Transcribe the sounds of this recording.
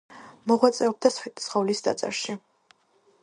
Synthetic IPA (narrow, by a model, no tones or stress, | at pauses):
mɔʁwat̪sʼɛɔb̚d̪asɛt̪ʼi̥sχɔvlisd̪a̰t̪sʼɛ̰ɾʃi